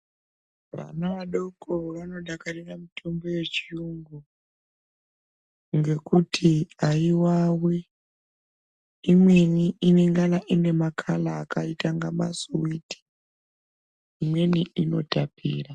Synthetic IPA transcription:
ʋa̰naʋaɗokoʋano̞ɗakaɾiramitʰo̞mbo̞je̞t͡ʃiuŋɡu | ŋɡe̞kutʰiaiwawi | mwe̞niine̞ŋɡanaʔine̞makʰalaːkaitaŋɡama̰suwiti̥ | imwe̞niʔino̞̰tapʰiːra

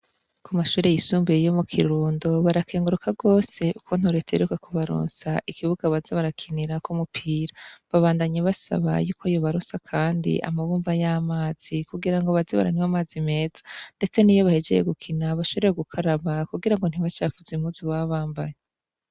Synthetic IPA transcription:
kumaʃuːɾe̞jisuːmbejo̞mukʰiɾuːndo̞βaɾakʰe̞ːŋɡuɾukʰaɡo̞ːse̞ukʰo̞n̥huɾetʰeɾukakuβaɾṵːnsaʔikʰiβuɡaβazeβaɾakʰiniɾakumupʰiːɾaβaβaːndaɲeβasa̰βa̰juːkʰojoβaɾosakʰaːndḭʔa̰maβuːmbvajaːmaːz̥ikuɡiɾaŋɡo̞βazeβa̰ɾa̰ɲwamaːzime̞ːzḁnde̞t͡se̞niːjo̞βahe̞d͡ʒe̞̰jḛɡukʰinaβaʃoβeɾeeɡukʰaɾaβakuɡiɾaŋɡo̞n̥hiβat͡ʃaːfuzim̥huzuβaβaːmbaje

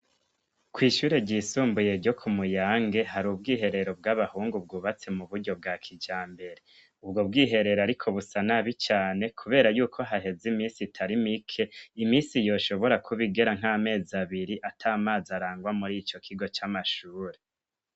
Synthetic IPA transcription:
kwiːʃuːɾe̞ɾɟisuːmbuje̞ɾɟo̞kʰumujaːŋɡe̞haɾub̚ɡiːɦe̞ɾe̞ɾo̞bɡaβahuːŋɡub̚ɡuːβat͡se̞muβuɾɟo̞b̚ɡaːkʰid͡ʒaːmbe̞ɾe̞ | ubɡo̞b̚ɡiːɦe̞ɾe̞ɾoaɾikʰo̞βusanaβit͡ʃaːne̞kʰuβe̞ːɾajuːkʰo̞ɦaɦe̞zimiːsitʰaɾimikʰe̞imiːsijo̞ːʃo̞βo̞ɾakʰuβiɡe̞ɾaŋ̥aːme̞ːzaβiɾiʔatʰaːmaːzaɾaːŋɡwamuɾit͡ʃo̞kʰiɡo̞t͡ʃamaʃuːɾe

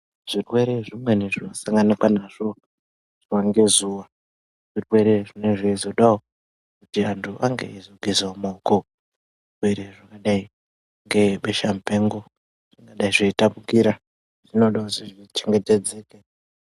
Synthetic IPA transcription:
ʐ̥irwe̞ɾe̞ʐimwe̞neʐiwasaŋɡanakwanaʐ̥o̞ | ʐ̥waŋɡe̞zuwa | ʐ̥irwe̞ɾe̞ʐine̞ʐeizo̞ɗao | kutiantʰuʔaŋɡḛizoɡʱezaomaːko | ʐirwe̞ɾe̞ʐakaɗai | ŋɡe̞ɓeʃam̩peŋɡo | ʐ̥iŋɡaɗaiʐeitapukiɾa | ʐ̥ino̞ɗauziʐit͡ʃeŋɡe̞te̞d͡zeːke

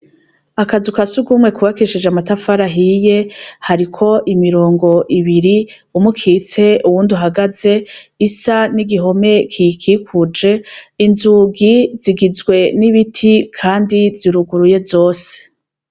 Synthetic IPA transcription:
akazukasuɡumŋe̞kuβakiʃid͡ʒamatafaɾaɦije̞haɾikʰo̞ʔimiɾo̞ːŋɡo̞ʔiβiɾi | umukʰiːt͡se̞uβuːnduɦaɡaze̞isaniɡiɦo̞me̞kʰikʰikʰud͡ʒe̞inzuɡiz̥iɡizɡwe̞niβitʰikʰaːndiziɾuɡuɾuje̞zo̞ːse̥

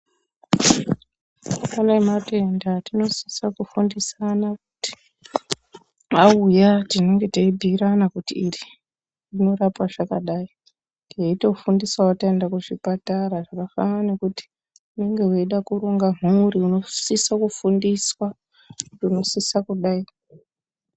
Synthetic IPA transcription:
anaemate̞ndatino̞si̥sakufundisanak̚u̥ti̥ | aujatine̞ŋɡe̞teibʱiɾanakutiːri | rino̞rapwaʐakaɗai | ɡeito̞fundiswawataendakuʐipataraʐakafa̰nane̞kuti̥ | une̞ŋɡe̞ɦwe̞iɗakuɾoŋɡamuuriuno̞sisakufundiswa | kutuno̞sisakuɗaia

